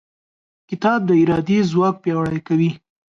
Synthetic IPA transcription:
kɪt̪ɑb̚d̪əɪɾɑd̪ezwɑk̚pjɑwɽajkawi

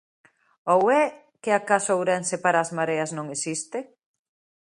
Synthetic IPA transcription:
owɛ | kɪakasowɾɛnsepaɾaːzmaɾeɐsnõŋesist̪ɪ

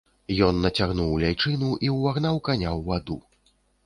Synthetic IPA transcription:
jɔnːɐt͡sʲaɣnuwlʲajt͡ʂɨnuʔiwːaɣnawkanʲawːad̪u

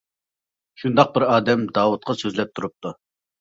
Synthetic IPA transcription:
ʃund̪ɑq̚bɪɾɑːd̪ɛmd̪ɑːwut̪̚qʰɑsøzlɛp̚t̪ʰuɾup̚t̪u

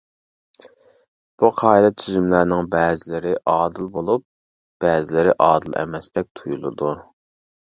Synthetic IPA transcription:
b̥uqʰɑːd̪ɛt̪ʰyzymlæɾnɪŋbɛːzɪlɪɾɪʔɑːd̪ɨlˠbolˠup̚ | b̥ɛːzɪlɪɾɪʔɑːd̪ɨlˠʔɛ̰mɛst̪ɛk̚ʲt̪ʰujulˠɨ̰d̪u

